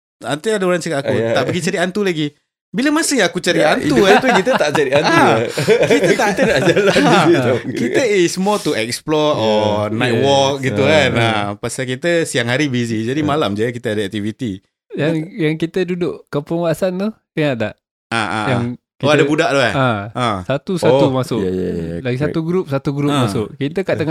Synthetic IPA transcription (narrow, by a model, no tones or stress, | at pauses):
ant̪eadaoɾaŋt͡ʃəkaakuaʔbəɡit͡ʃaɾiant̪ulaɡi | bilamasɪŋakut͡ʃaɾiant̪ukat̪kit̪ət̪aʔt͡ʃaɾianakiət̪ait̪ənaʔd͡ʒalant̪ukit̪əismɔt̪uɛk̚splɔtɔnat̪̚wɔk̚ɡiukanapasakit̪əsiaŋɦaɾibizid͡ʒadimalamd͡ʒajək̬it̪əadaɛk̚t̪ivit̪i | jaŋjaŋkit̪ədudʊʔkəpəŋwasant̪ut̪eŋaʔt̪aʔ | aa̰jaŋkiadabudaʔd̪uaaasat̪usaumasʊʔlaɡisauɡɾup̚sat̪uɡɾup̚masʊʔkit̪əkaʔt̪əŋ